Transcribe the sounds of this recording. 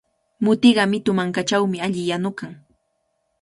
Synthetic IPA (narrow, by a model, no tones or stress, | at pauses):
mʊt̪ɪɢɑmɪt̪ʊmaŋkat͡ʃawmɪaʎɪjanʊkaŋ